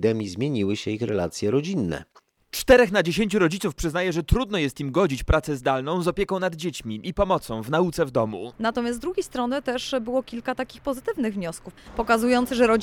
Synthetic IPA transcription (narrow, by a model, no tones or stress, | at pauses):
d̪ɛmʲizmʲjeɲiwɘɕɛixɾɛla̰t̪sʲjɛɾɔd͡ʑinːɛ̰ | t͡ʂt̪ɛɾɛxnad͡ʑeɕeɲʲt͡ɕuɾɔd͡ʑit̪sufpʂɘznajɛʐɛt̪ɾud̪nɔjɛst̪imɡɔd͡ʑit͡ɕpɾʔat̪sɛzd̪alnɔ̃w̃zɔpʲjekɔ̃w̃nad̪d͡ʑet͡ɕmʲiʔipɔmɔt̪sɔ̃w̃vnaut̪sɛvd̪ɔmṵnat̪ɔmʲjasd̪ɾuɡʲejst̪ɾɔnɘt̪ɛʂbɘwɔkʲilkat̪akʲixpɔzɘt̪ɘvnɘɣvɲɔskufpɔkazujɔnt̪sɘʐɛɾɔ